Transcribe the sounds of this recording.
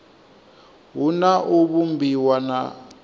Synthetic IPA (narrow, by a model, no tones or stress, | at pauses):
ɦunaʔuβumbʱiwana̰